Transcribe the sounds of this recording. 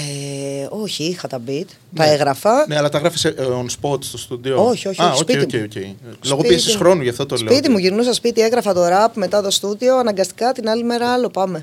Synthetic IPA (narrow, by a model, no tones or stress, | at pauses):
eo̞çiixɐt̪ɐbit̪ɐeɣɾɐfɐneɐlɐt̪ɐɣɾɐfiseʔonspo̞t̪st̪ost̪ud̪iooçio̞çiaooscpiet̪imcejocejlo̞ɣopiesisxɾo̞nuʝɐft̪ot̪oslepit̪imuʝiɾnusɐspit̪ie̞ɣɾɐfɐt̪o̞ɾɐpme̞t̪ɐt̪o̞st̪uðio̞ɐnɐŋɡɐst̪i̥kɐt̪inɐlime̞ɾɐɐlo̞pɐme̞